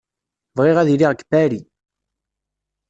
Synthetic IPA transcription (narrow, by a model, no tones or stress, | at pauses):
vʁeʁæðiliʁkːbæɾi